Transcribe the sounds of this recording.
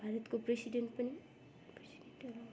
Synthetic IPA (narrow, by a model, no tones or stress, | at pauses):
bʱaɾət̪kopɾesiɖeɳʈpəni | pɾesiɖeɳʈkela